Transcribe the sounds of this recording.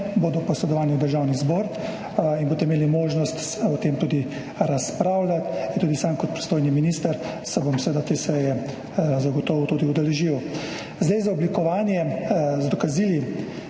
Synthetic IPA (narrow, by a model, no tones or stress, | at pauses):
boːd̪ɔpɔsɛd̪ɔʋaːniwd̪əɾʒawnizbɔːɾ | inboːt̪ɛmeːlimoːʒnɔst̪ | ɔt̪emt̪uːd̪i | ɾaspɾaːwlʲat̪int̪uːd̪isaːmkɔt̪̚pɾi̥st̪oːjniminist̪əɾ | sɛbomsɛʋeːd̪at̪eːsɛjɛ | zaɡɔt̪ɔːʋwt̪uːd̪iud̪ɛlɛʒiw | zd̪ajzaɔblikɔʋaːnjɛzd̪ɔkaziːli